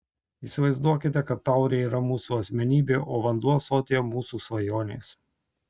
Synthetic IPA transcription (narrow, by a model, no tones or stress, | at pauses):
iːˑsʲɪʋɐɪzd̪uɔkʲɪt̪ʲɛkɐt̪ːɑˑʊɾʲeːiːɾɐmuːsuːɐsʲmʲɛnʲiːbʲeːʔoːʋɐnd̪uɔsoːt̪ʲejɛmuːsuːsʋɐjoːnʲḛːs